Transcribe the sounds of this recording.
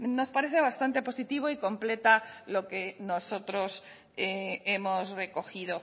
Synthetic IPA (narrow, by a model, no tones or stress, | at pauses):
no̞spaɾeθeβ̞ast̪ant̪e̞po̞sit̪iβ̞oiko̞mple̞t̪alo̞kenoso̞t̪ɾo̞s | eemosre̞ko̞xið̞o